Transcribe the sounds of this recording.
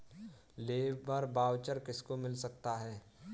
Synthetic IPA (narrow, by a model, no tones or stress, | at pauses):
leːbəɾbaːwt͡ʃəɾkɪskomɪlsɐk̚t̪aɦɛː